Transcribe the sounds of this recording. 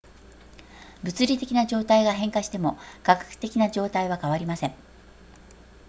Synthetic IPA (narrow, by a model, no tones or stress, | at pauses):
bɯ̟t͡sɨɾʲit̪e̞kʲinaʑo̞ːt̪aiɡaɦẽ̞ŋkaɕi̥t̪e̞mo̞kakḁkɯ̟̥t̪e̞kʲinaʑo̞ːt̪aiβ̞akaβaɾʲimasẽ̞ŋ